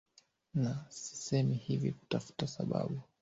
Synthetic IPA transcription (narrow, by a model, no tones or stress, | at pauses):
nasi̥sɛmihivḭku̥tafu̥tasaɓa̰ɓu